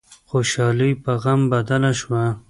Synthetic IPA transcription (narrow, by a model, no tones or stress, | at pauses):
xoʃɑlijpaɣambad̪alaʃwa